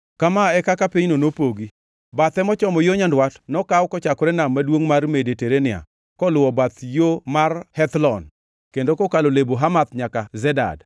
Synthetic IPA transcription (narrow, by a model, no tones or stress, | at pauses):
kamaɛkakapiɲnonopoɡi | bat̪ɛmɔt͡ʃɔmɔjoɲandwatnɔkawkɔt͡ʃakɔɾɛnamːadwoŋmarmedeteɾenɪa̰ | kɔlʊɔbat̪jomarhɛt̪lɔn | kendokɔkaloleboɦamat̪ɲakazɛda̰d